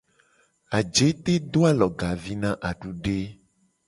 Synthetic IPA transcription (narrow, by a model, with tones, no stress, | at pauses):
a˨d͡ʒe˨˦t̪e˦d̪o˦a˦lɔ˨ɡa˨vi˦nã˦ʔa˨ɖu˦ɖe˦